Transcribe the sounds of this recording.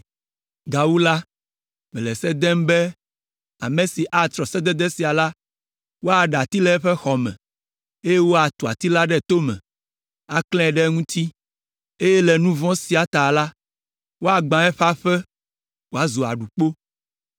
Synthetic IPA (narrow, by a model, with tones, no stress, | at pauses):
ɡa˨wu˦la˦ | mɛ̃˨lɛ˨sɛ˦d̪ɛ˦mbɛ˦ | a˨mẽ˨si˨ʔa˨t̪ɾɔ˨sɛ˦d̪ɛ˦d̪ɛ˦si˨a˨la˦ | wo˦a˨ɖa˨t̪i˦lɛ˦ɸɛ˦xɔ˨mɛ̰̃˨ | e˦je˦wo˦a˨t̪u˨a̰˨t̪i˦la˦ɖɛ˦˨t̪o˦mɛ̰̃˨ | a˦klɛ̃˦˨ɖɛ˦ŋũ˦t̪i˦ | e˦jɛ˦lɛ˨nũ˦vɔ̃˦si˨˦a˨t̪a˨la˦ | wo˦a˨ɡ͡bã˨ɛ˦ɸa˦ɸɛ˦ | wo˦a˦zo˨a̰˨ɖu˨k͡po˦